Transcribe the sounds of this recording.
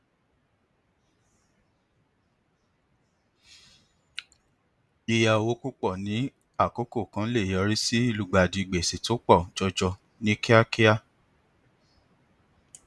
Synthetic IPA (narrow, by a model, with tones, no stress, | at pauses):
i˧ja˧˨˧wo˦ku˦k͡pɔ˦˨nĩ˨˦ | a˦˨ko˦ko˦˨kã˦le˦˨jɔ˧ɾi˦si˦i˦˨lu˨ɡ͡ba˨di˧˨ɡ͡be˨se˨to˨˦k͡pɔ˦˨d͡ʒɔ˧d͡ʒɔ˧ | nĩ˦ki˦a˦ki˦a˦˨